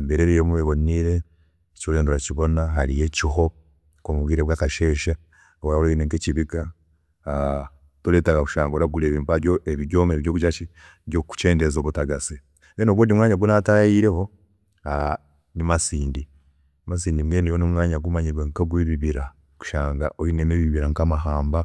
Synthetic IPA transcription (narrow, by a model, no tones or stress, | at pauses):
mbeɾeɾejomuβeβoniɾeː | coleːnduɾaciβo̞naɦaɾije̞ciɦo̞ | komuβwiːɾeβwaːkaʃeːʃa | waoleineŋkeciβiɡa | toleːtaɡaku̥ʃaːŋɡoɾaɡuleβiːmbajoeβiɟoːmeβiɾjokuʃat͡ʃi | joku̥t͡ʃe̞ːndezo̞ːβutaɡasi | enoɡwoːndimŋaːɲaɡwunatajiɾe̞ho | a | nimasiːndi | mas̬iːndimweːnijonimŋaːɲaɡumaɲiɾweŋkaɡwiβiβiɾa | ku̥ʃaːŋɡa̰ʔoinemeβiβiɾaŋkamaɦaːmba